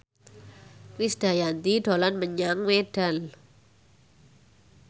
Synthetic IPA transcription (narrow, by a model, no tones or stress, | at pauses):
ɾisd̪̥a̤jant̪iɖo̤lanməɲaŋweɖ̥al